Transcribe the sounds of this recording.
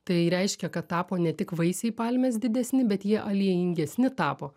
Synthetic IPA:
t̪ɐɪɾʲɛɪʃʲkʲɛkɐt̪tɑːpoːnʲɛt̪ʲɪkʋɐɪsʲɛɪpɑlʲmʲɛːsd̪ʲɪd̪ʲɛsʲnʲɪbʲɛt̪jiɛʔɐlʲiɛjɪŋʲɡʲɛsʲnʲɪt̪ɑːpoː

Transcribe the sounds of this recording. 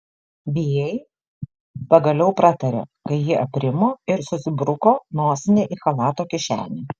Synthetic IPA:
bʲiːjɛɪ | pɐɡɐlʲɛʊpɾɑt̪ɐɾʲḛːkɐɪjɪʔɐpʲɾʲɪmoːɪɾsʊsʲɪbɾʊkoːnoːsʲɪnʲeːʔɪxɐlˠɑːt̪oːkʲɪʃʲæ̰ːnʲeː

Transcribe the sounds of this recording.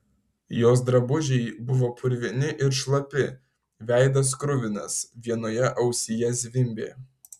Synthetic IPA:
joːs̬d̪ɾɐbʊʒʲɛɪbʊʋoːpʰʊɾʲʋʲɪnʲɪʔɪɾʃlˠɐpʲɪ | ʋʲæˑɪd̪ɐs̬kɾʊʋʲɪnɐ̰sʋʲiɛnoːjɛʔɐʊsʲɪjɛzʲʋʲɪmʲbʲḛː

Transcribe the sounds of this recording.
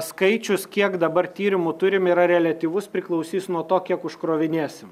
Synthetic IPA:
skɐɪt͡ʃʲʊskʲiɛkd̪ɐbɐrt̪ʲiːɾʲɪmʊt̪ʊɾʲɪmiɾɐɾʲɛlʲɐt̪ʲiːʋʊspʲɾʲɪklˠɐʊsʲiːsnuɔt̪oːkʲiɛkʊʃkɾoːʋʲɪnʲeɛsʲɪm

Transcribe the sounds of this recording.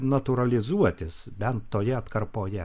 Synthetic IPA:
nɐt̪ʊɾɐlʲɪzuɔt̪ʲɪsbʲɛnt̪ːoːjɛɐt̪kɐrpoːjɛ

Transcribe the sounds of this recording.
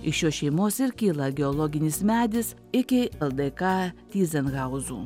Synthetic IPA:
ɪʃjoːʃʲɛɪmoːsɪɾkʲiːlˠɐɡʲɛɔlˠoːɡʲɪnʲɪsmʲæːd̪ʲɪs | ɪkʲɪɛlˠd̪ɛkɑːt̪ʲiːzʲɛnɣɑʊzṵː

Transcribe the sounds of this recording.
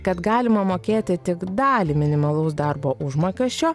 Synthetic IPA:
kɐt̪ɡɑːlʲɪmɐmoːkʲeːt̪ʲɪt̪ʲɪkd̪ɑːlʲimʲɪnʲɪmɐlˠɐʊsd̪ɐɾboːʔʊʒmoːkʲɛsʲt͡ʃʲoː

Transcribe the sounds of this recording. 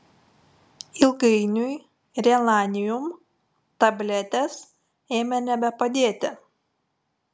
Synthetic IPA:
ɪlˠɡɐɪnʲʊj | ɾʲɛlˠɑːnʲɪjʊm | t̪ɐbʲlʲɛt̪ʲɛs | eːmʲɛnʲɛbʲɛpɐd̪ʲeːt̪ʲɪ

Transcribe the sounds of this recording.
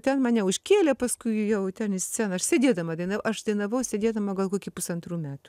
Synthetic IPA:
t̪ʲɛnmɑːnʲɛʊʃʲkʲeːlʲɛpɐskʊɪjɛʊt̪ʲɛnɪsʲt͡sʲæːnɐɐʃsʲed̪ʲeːd̪ɐmɐd̪ɐɪnɐʋɐʊʔɐʃd̪ɐɪnɐʋɐʊsʲed̪ʲeːd̪ɐmɐɡɐlˠkoːkʲiːpʊsɐnt̪ɾuːmʲæːt̪u

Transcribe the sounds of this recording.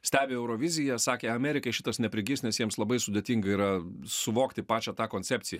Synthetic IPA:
sʲt̪ʲæːbʲeːɛʊɾoːʋʲɪzʲɪjɛsɑːkʲeːɐmʲɛːɾʲɪkɐɪʃʲɪt̪ɐsnʲɛpʲɾʲɪɡʲiːsʲnʲɛsjiɛmslˠɐbɐɪsʊd̪ʲet̪ʲiːŋɡɐiːɾɐsʊʋoːkt̪ʲɪpɑːt͡ʃʲɛt̪ɑːkoːnʲt͡ssʲɛːpʲt͡s̪ʲɪjɛ

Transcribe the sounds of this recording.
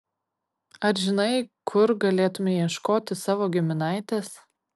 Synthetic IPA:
ɐɾʒʲɪnɐɪkʰʊɾɡɐlʲeːt̪ʊmʲejiɛʃkoːt̪ʲɪsɑːʋoːɡʲɪmʲɪnɑˑɪt̪ʲeːs

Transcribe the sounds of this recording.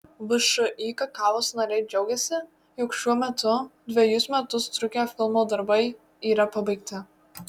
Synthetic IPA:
ʋɨʃʊʔiːkɐkɑːʋoːsnɐɾʲɛɪd͡ʒʲɛʊɡʲɛsʲɪ | jʊkʃʲuɔmʲɛt̪ʊd̪ʲʋʲɛjʊsmʲɛt̪ʊst̪ɾʊkʲefʲɪlˠmoːd̪ɐɾbɐɪ | iːɾɐpɐbɐɪkt̪ʲɪ

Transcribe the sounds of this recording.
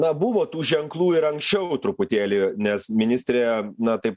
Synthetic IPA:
nɐbʊʋoːt̪uːʒʲɛŋklˠuːɪɾɐŋksʲt͡ʃʲɛʊʊt̪ɾʊpʊt̪ʲeːlʲinʲɛsmʲɪnʲɪsʲt̪ʲɾʲeːnɐt̪ɐɪp

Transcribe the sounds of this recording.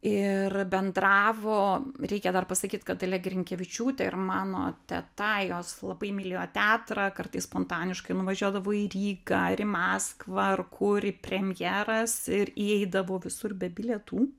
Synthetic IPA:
ɪrbʲɛnd̪ɾɑːʋoːɾʲɛɪkʲɛd̪ɐrpɐsɐkʲiːt̪kɐt̪ɐlʲɛɡɾʲɪŋʲkʲɛʋʲɪt͡ʃʲuːt̪ʲɛɪrmɑːno̰ːt̪ʲɛ̰t̪ɐjoːslˠɐbɐɪmʲɪlʲɪjoːt̪ʲæːt̪ɾɑːkɐrt̪ɐɪsspoːnt̪ɑːnʲɪʃkɐɪnʊʋɐʒʲuɔd̪ɐʋoːiɾʲiːɡɐɾɪmɑːskʋɐrkʰʊɾʲɪpʲrʲɛmʲjæːɾɐsɪɾiɛɪd̪ɐʋoːʋʲɪsʊrbʲɛbʲɪlʲɛt̪uː

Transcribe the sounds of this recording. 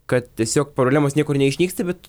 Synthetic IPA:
kɐt̪t̪ʲiɛsʲoːkpɾoːblʲæːmoːsnʲiɛkʊɾnʲɛɪʃʲnʲiːkst̪ɐbʲɛt̪

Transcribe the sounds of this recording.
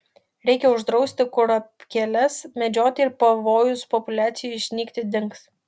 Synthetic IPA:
ɾʲɛɪkʲɛʊʒd̪ɾɒʊsʲt̪ʲɪkʊɾɐpʲkʲɛlʲɛsmʲɛd͡ʒʲoːt̪ʲɪɪɾpɐʋoːjʊspɔpʊlʲæːt̪sʲɪjuɪʃʲnʲiːkt̪ʲɪd̪ʲɪŋks

